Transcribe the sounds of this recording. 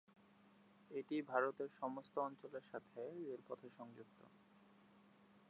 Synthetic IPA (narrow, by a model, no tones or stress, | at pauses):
eʈibʱaɾot̪eɾʃɔmost̪oɔnt͡ɕoleɾʃat̪ʰeeɾpɔt̪ʰeʃɔŋd͡ʑuk̚t̪o̰